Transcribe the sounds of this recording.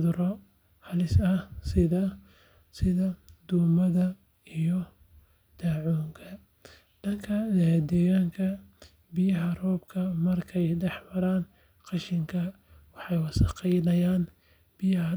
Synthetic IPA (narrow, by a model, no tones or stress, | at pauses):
ðʊɾɔ | hɐlɪsɐsɪðɐ | sɪðɐd̪uːmɐðɐ | ijɔ | d̪̥aːʕuːŋkʰɐ | ɖɐŋkʰɐd̪ɛːɣaːŋkʰɐ | bɪjɐɦɐrɔːbkʰɐmɐrkʰɛjɖɛħmɐɾaːn | qɑʃɪŋkʰɐ | wɑħɑjwɑsɑqɛjnɐjaːn | b̥ijɐɦɐ